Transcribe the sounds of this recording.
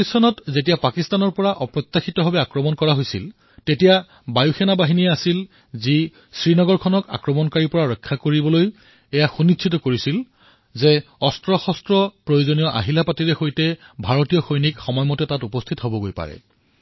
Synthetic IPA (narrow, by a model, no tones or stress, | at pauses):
isɔnɔtzet̬ijapakistanɔɹpɔɹaʔɔpɹɔt̪ːaxitɔbʱɔbɛakɹɔmɔnkɔɹaɦojsil | tetija | bajuxɛnabaɦinijɛasil | zi | sɹinɔɡɔɹkʰɔnɔka̰kɹɔmɔnkaɹipɔɹaɹɔkʰːakoɹibɔloj | ɛjaxunisʰitɔkoɹisil | zeɔstɹɔxɔstɹɔpɹojozonijɔʔa̰ɦilapatiɹɛxojtɛbʱaɹotijɔxojnikxɔmɔjmɔtɛtatupɔstʰitɦobɔɡojpa̰ɹɛ̰